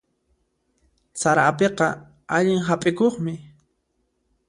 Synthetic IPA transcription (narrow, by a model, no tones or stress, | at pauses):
saɾapeqɑ | aʎɪŋɦapʼɪkoχmɪ